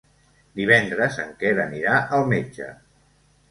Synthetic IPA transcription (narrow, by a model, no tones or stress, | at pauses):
d̪iβ̞ɛnd̪ɾəzəŋkɛɾəniɾaʔəlˠmed͡ʒə̰